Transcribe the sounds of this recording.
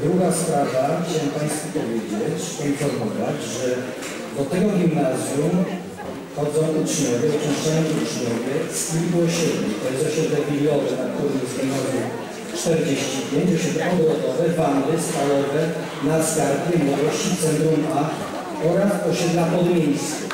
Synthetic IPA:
d̪ɾuɡaspɾavaxt͡ɕawɛ̃mpãj̃st̪fup̪ɔvʲjed͡ʑet͡ɕpɔinfɔɾmɔvad͡ʑʐɛ | d̪ɔt̪ɛɡɔɡʲimnazʲju | xɔd̪zɔ̃w̃ut͡ʂɲɔvʲɛɔt͡ʃiʂt͡ʂajɔ̃w̃ut͡ʂɲɔvʲɛskʲilkuɔɕɛd̪lɛ̰t̪ɔjɛst̪ɔɕɛd̪lɛvʲilʲjɔvɛnak̚t̪uɾɨmzɡ̪anɔvɔw | t͡ʂt̪ɛɾd͡ʑeɕt͡ɕipʲjeɲd͡ʑɔɕɛd̪lɛɔd̪ɔɔt̪ɔvɛband̪ɨst̪alɔvɛ | nasɡaɾpʲjɛnɔvɔɕt͡ɕit̪sɛnt̪ɾuma | ɔɾasɔɕɛd̪lapɔd̪ɔmʲjejskʲu

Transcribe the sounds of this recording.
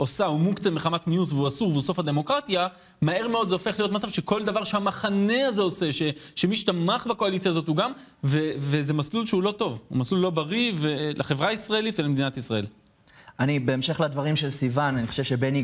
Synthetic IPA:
ʔo̞saumukt͡semeχamat̪nijusveuasuʁveuso̞fhad̪e̞mo̞kʁat̪ja | mae̞ʁme̞o̞d̪zeofe̞χlijotmat͡savʃe̞ko̞ld̪avaʁʃehamaχane̞aze̞ose̞ʃe̞ʃemiʃt̪amaχbako̞alit͡sjazo̞t̪uɡam | vevezemaslulʃeulo̞to̞vṵmaslulːo̞baʁivelaχevʁaisʁae̞lit̪velemed̪inat̪isʁae̞l | anibeːmʃe̞χlad̪vaʁimʃelsivananiχoʃevʃebeni

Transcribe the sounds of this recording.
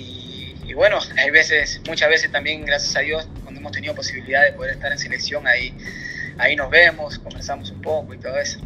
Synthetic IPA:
iː | βwe̞noajβe̞sesmut͡ʃazβe̞sest̪ambje̞ŋɡɾasjasaðjo̞skwand̪oemost̪eniðo̞po̞siβiliðaðepo̞ð̞eɾe̞st̪aɾense̞le̞ksjo̞ŋai | aino̞zβe̞mo̞sko̞mbeɾsamosumpo̞ko̞it̪o̞ðoeso̥

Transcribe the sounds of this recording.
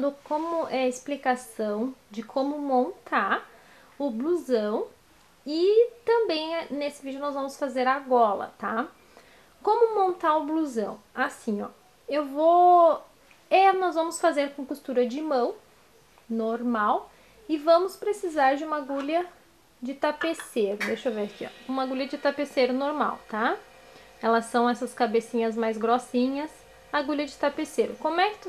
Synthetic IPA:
d̪ʊkõmʊʔɛɪsplikasɐ̃w̃d͡ʒɪkʰõmʊmõnt̪ʰaɾ | ʊbluzɐ̃w̃ | ɪt̪ɐ̃mbẽj̃nesɪvid͡ʒʊnɔzvɐ̃mʊsfazeɾaɡɔlɐ̰t̪a | kõmʊmõnt̪aɾʊbluzɐ̃w̃asĩɲɔ̰ | ewvo | ɛnɔzvɐ̃mʊsfazeɾkõkust̪uɾɐd͡ʒɪmɐ̃w̃ | noɾmaw | ɪvɐ̃mʊspɾesizaɾd͡ʒɪũmɐɡuʎɐ | d͡ʒɪt̪apeseɾʊd̪eʃovekiɔ̰ũmɐɡuʎɐd͡ʒɪt̪apeseɾʊnoɾma̰wt̪a | ɛlɐsːɐ̃w̃ɛsɐskabesĩɲɐzmajzɡɾosĩɲɐs | aɡuʎɐd͡ʒɪt̪apeseɾʊ̰kõmʊɛkɪ̥t̪

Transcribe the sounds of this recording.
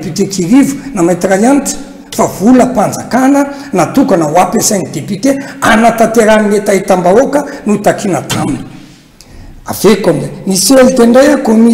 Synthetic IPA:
pit̪ekiɾivu̥namajt̪irajantu̥ | favuləpand͡zakanə | nat̪ukanəwapesajnid̪epit̪eanat̪at̪eɾanimet̪aɦit̪ambaokənut̪akinat̪amini̥ | a̰vekamzeniselit̪eɳɖ͡ʐajakomi

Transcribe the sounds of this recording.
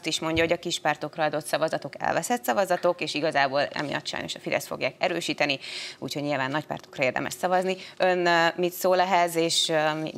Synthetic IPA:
t̪iʃmo̞ɲɟɒɦoɟɒkiʃpaːrt̪o̞krɒɒd̪o̞t̪sɒvɒzɒt̪o̞kɛ̰lvɛsɛt̪sɒvɒzɒt̪o̞keːʃiɡɒzaːboːlɛ̰mḭjɒ̰t̪ːʃɒ̰jno̞̰ʃɒfid̪ɛ̰st̪fo̞̰ɡjaːkɛɾøːʃiːt̪ɛniṵːcʰho̞ɟɲilvaːnːɒcpa̰ːrt̪o̞̥krɒeːrd̪ɛ̰mɛ̰ʃsɒvɒzniønmit̪soːlɛɦɛzeːʃmḭ

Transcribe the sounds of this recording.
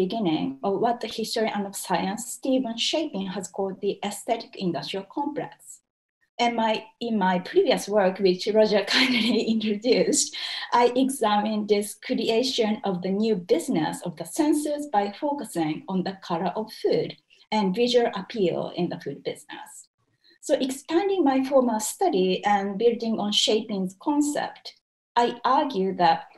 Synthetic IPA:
iɡɪ̃nɪ̰̃ŋʌvwʌt̪̚ðəhɪstəɹiʔãnʌvsaɪə̃nsːtivə̃nʃeɪpĩŋhæz̥kʰɔlˠd̪̚ðiʔɛsθɛtɪ̥kɪ̃ndʌstɹ̥ialkʰɔ̃mplɛ̰ks | ɨ̃nmaɪɪ̃nmaɪpʰɹiviəswɜ˞kwɪt͡ʃɹɔd͡ʒə˞kʰãnɾiĩntɹodʉstʔaɪʔɛɡzæmĩnd̪ɪskʰɾieʃə̃nʌvðənjʉːbɪznɛ̰sɔvðəsɛ̃nsəsbaɪfoʊkəsɪ̃ŋɔ̃nðəkʰʌləʔɔvfʉːd | ɨ̃nvɪʒəlʔapʰilˠɪ̰̃nðəfʉd̚bɪznɛ̰sː | oʊʔɛkspæ̃ndĩŋmaɪfɔɹməstʌɾiɨ̃nbɪldĩŋɔ̃nʃeɪpĩŋzkʰɔ̃nsɛ̰p̚t | ʔaɪʔaɹɡjʉðæt̚

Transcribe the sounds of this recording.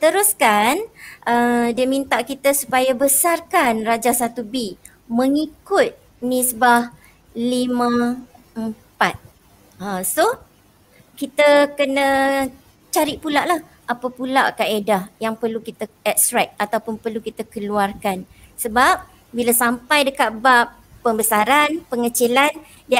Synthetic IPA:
t̪əɾuskanʔədiəmint̪aʔkit̪əsupajabəsarkanrad͡ʒasat̪ubi | mə̃ŋikʊt̪̚ | misbah | limə̃ | əmpat̪̚ | aso | kit̪əkənə̃ | t͡ʃaɾiʔpulaʔlah | ʔapapulaʔkaʔedahjaŋpərlukit̪əɛt̪̚st̪ɾɛk̪̚at̪awpʊnpərlukit̪əkəluarkan | səbap̚ | bilasampajdəkat̪̚baʔː | əmbəsaɾanpəŋət͡ʃilan | dia

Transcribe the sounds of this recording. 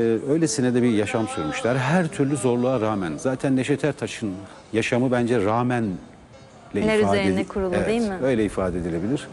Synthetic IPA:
ø̞jlʲesinɛd̪ɛbijaʃamsuɾmuʃlˠaɾɦæɾt̪ʰyɾlʲyzo̞ɾlˠuaɾaːmænzaːt̪ʰænlʲeʃet̪ʰæɾt̪ʰaʃɯn | jaʃamɯbænd͡ʒɛɾaːmæn | lʲɛliæɾyazːeenɛkʰuɾulˠvɛemɪø̞jlʲɛifaːd̪ɛd̪ilʲe̞bilʲiɾ̥

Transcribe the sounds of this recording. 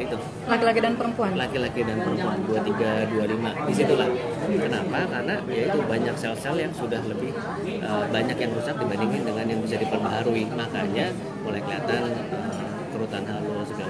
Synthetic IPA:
it̪u | lakilakidanpəɾəmpuanlakilakidanpəɾəmpuanduat̪iɡadualimadisit̪ulah | kənapakarnajait̪ubaɲaksɛlsɛljaŋsudahləbɪh | ʔəbaɲakjaŋɾusak̚dibandiŋkandəŋanjaŋbis̬ahdipərbaɦaɾuimakaɲa | mulajkəliat̪anəm | kəɾut̪anɦalosəɡal

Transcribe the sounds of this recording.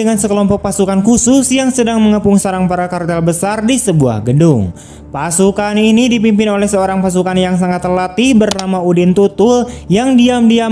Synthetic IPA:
əŋansəkəlɔmpɔk̚pasukankusʊsjaŋsədaŋməŋəpʊŋsaɾaŋpaɾakart̪albəsardisəbua̰hɡədʊŋ | pasukaninidipimpɪnolɛhsəoɾaŋpas̬ukanjaŋsaŋat̪rlat̪ihbərnamaudɪnt̪ut̪ʊljaŋdiamdia

